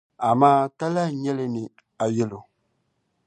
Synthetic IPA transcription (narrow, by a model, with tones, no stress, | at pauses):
a˨maː˦ta˦la˦ɲɛ˦lɪ˦nɪ˨ | a˨jɛ˦lo˨